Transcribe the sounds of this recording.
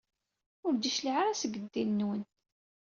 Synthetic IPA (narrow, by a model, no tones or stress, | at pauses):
ʊɾd̪iʃliʕaɾæsəɡəd̪ːinːwənt̪